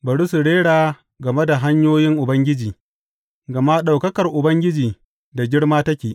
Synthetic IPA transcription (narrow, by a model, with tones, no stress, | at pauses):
bɐ˨ɽu˦sʊ˨ɽeː˦ɽaː˨ | ɡɐ˨me˦da˨ɦa˦ɲjoː˦jɪ˦ŋʔʊ˨bɐ˦ŋɡʲɪ˦d͡ʒiː˨ | ɡɐ˨ma˦ɗa˨wkɐ˦kɐ˨rʔʊ˨bɐ˦ŋɡʲɪ˦d͡ʒiː˨ | da˨ɡʲɪ˦ɽmaː˦tɐ˦kʲeː˨ʔ